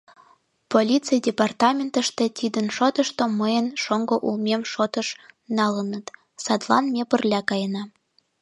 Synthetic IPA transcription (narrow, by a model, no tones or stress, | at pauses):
polʲit͡sijdʲepɑrt̪ɑmʲent̪ə̆ʃt̪ĕt̪id̪ənʃot̪ə̆ʃt̪oməjənʃoŋɡoʔulmʲemʃot̪ɤ̆ʃnɑlənə̆t̪ | sɑd̪lɑ̰nmʲepərlʲɑkɑjənɑ